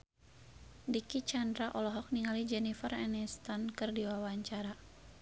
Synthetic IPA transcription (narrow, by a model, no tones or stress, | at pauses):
dikit͡ʃandɾaʔɔlɔɦɔk̚niŋalid͡ʒɛnifərɛnist̪ankɨrdiwawaɲt͡ʃaɾa